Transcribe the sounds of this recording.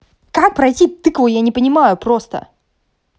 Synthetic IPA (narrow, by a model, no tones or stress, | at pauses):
kak̚pɾɐjtʲit̪ɨkvˠʊjanʲɪpənʲɪmajʊpɾost̪ə̰